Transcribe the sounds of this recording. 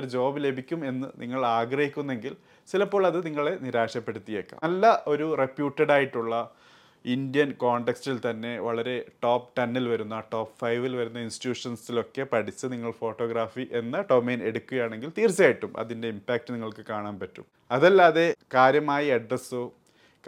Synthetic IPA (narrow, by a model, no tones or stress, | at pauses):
ɾd͡ʑo̞ːbile̞bikʲːume̞nːɨniŋːɐɭaːɡrɐhikʲːunːe̞ŋɡil | t͡ɕilɐpːo̞ːɭɐðɨniŋːɐɭe̞niɾaːʂɐpːe̞ɽut̪ːijeːkːa̰ːɐlːɐʔo̞ɾurepjuːʈːɐɽaːjiʈːuɭːɐ | indjɐnkoːɳɖekstilt̪ɐnːe̞ʋɐɭɐɾe̞ʈoːpʈɐnːilʋɐɾunːɐʈo̞ːpfɐjʋilʋɐɾunːɐinsti̥tjuːʂɐnsilo̞kːe̞pɐɽit͡ɕːɨniŋːɐɭfo̞ːʈːo̞ːɡɾaːfiʔe̞nːɐʈo̞mːeːne̞ɽukʲːuɣɐjaːɳe̞ŋɡilt̪iːrt͡ɕijaːjiʈːumʔɐ̰ðinde̞impaːk̚ʈɨniŋːɐɭkɨkaːɳaːnpɐtːṵm | ɐðɐlːaːðe̞kaːɾjɐmaːjiɐɖrɐsɨ | k